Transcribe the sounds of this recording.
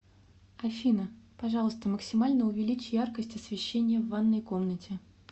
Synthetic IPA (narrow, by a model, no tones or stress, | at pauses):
ɐfʲinəpɐʐɑlˠəst̪əməksʲɪmalʲnəʊvʲɪlʲit͡ɕjarkəsʲtʲɐsvʲɪɕːenʲɪjəvanːəjko̞mnətʲɪ